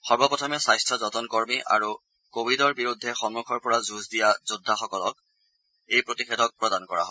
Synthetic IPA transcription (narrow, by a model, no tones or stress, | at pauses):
xɔɹbɔpɔtʰɔmɛsajstʰɔzɔtɔnkoɹmiʔa̰ɹu | kobʱidɔɹbiɹudʱːɛxɔmmukʰɔɹpɔɹazuzdijazudʱːaxɔkɔlɔk̚ | ejpɹotixedʱɔk̚pɹɔdankɔɹa̰ɦɔ